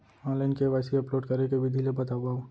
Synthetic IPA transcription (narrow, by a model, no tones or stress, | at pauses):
ɔ̃ːlənkeʋaːsiɐploːɖkɐɾekebʱid̪ʱilebɐt̪aːʋaõ